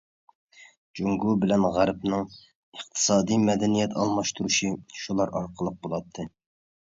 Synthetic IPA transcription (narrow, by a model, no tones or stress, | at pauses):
d͡ʒuŋɡubɪlɛnʁæɾpnɨŋ | əχt̪ʰɨ̥sɑːd̪ijmɛd̪ɛnijɛt̪ʰɑ̰lˠmɑʃt̪ʰuɾuʃiʃulˠɑɾɑ̰ɾqʰəlˠəq̚bolˠɑt̪ʰːɨ